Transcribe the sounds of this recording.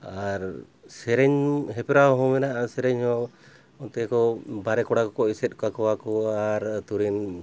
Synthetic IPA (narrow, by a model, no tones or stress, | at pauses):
aɾ | sɛɾɛɲɦɛpɛɾaɦɔ̃mɛnaʔasɛɾɛɲhɔ̃ | ɔnt̪ɛkɔbaɾɛkɔɽakɔkɔsɛt̪̚ˀkakɔwakɔaɾt̪uɾin